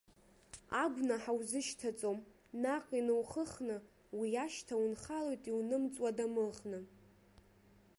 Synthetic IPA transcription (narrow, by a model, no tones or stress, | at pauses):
aɡʷnaħawzɨʃtʰat͡sʼom | naqʼinɨwχəχnɨ | wiaʃtʰawunχalojtʼiwnɨmt͡sʼwadamɨlχnɨ